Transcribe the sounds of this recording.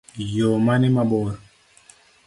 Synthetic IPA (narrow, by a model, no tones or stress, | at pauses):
jomanimaɓɔ